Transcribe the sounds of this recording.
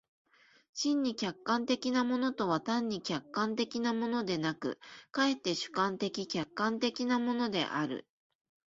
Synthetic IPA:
ɕĩɲ̟ːikʲakːãnt̪e̞kʲinamo̞no̞t̪o̞βat̪ãɲ̟ːikʲakːãnt̪e̞kʲinamo̞no̞d̪e̞nakɯ̟̰kae̞t̪ːe̞ɕɨ̥kãnt̪e̞kʲikʲakːãnt̪e̞kʲinamo̞no̞d̪e̞̰ʔaɾɯ̟̰

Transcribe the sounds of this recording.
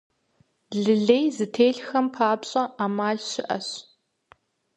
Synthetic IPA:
ɮɨɮejzɨtʰeːɮxɐmpʰaːpɕʼɐʔaːmaːɮɕɪʔɐ̰ɕ

